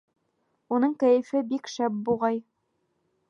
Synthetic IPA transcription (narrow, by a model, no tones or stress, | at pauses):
unɤɴkæjɘ̆fɘbikʃæb̚buʁɑj